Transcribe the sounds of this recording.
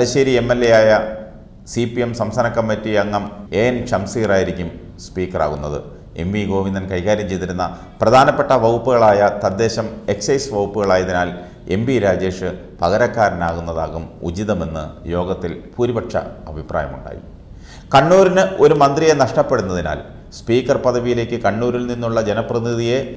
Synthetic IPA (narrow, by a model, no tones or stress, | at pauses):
ɐlɐɕeːɾie̞mːelːejaːjɐ | sipijemsɐmsɐnɐkːɐmːitːiɐŋːɐme̞ːnt͡ɕɐmsiːraːjiɾikʲːum | spiːkːɐra̰ːɣunːɐðɨ̰ | e̞mbiɡo̞ːʋind̪ɐnkɐjkaːɾjɐmt͡ɕe̞jt̪iɾunːɐ | prɐd̪ʱaːnɐpːe̞ʈːɐʋɐwupːuɣɐɭaːjɐt̪ɐd̪ːe̞ːɕɐme̞ksɐjsʋɐwupːuɣɐɭaːjɐðinaːl | e̞̰mbiɾaːd͡ʑe̞ːʂɨ | pɐɣɐɾɐkːaːɾɐnaːɣunːɐðaːɣumṵd͡ʑiðɐme̞nːɨ̰jo̞ːɡɐt̪ːilpuːɾibɐʈʂɐ̰ɐbʱiprʔa̰ːjɐmṵɳɖa̰ːjḭ | kɐɳːuːɾinɨo̞ɾumɐnd̪rijenɐʂʈɐpːe̞ɽunːɐðina̰ːl | spiːkːɐrpɐd̪ʱɐʋijile̞ːkʲːɨkɐɳːuːɾilninːuɭːɐd͡ʑe̞nɐprɐiðije̞